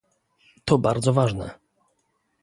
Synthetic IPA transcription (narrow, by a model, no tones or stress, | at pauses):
t̪ɔbaɾd̪zɔvaʐnɛ̰